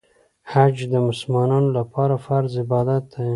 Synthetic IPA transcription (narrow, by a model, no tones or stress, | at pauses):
had͡ʒd̪əmʊslmɑnɑnolapɑɾafaɾzɪbɑd̪at̪ːa